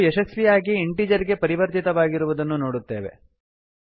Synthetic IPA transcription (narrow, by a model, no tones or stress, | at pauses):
ɛʃɐsʋijaːɡiːɳʈiːd͡ʒɐɾiɡe̞pɐɾiʋɐɾt̪it̪ɐʋaːɡiɾuʋud̪ɐnːunoːɽut̪ːe̞̰ːʋe̞̰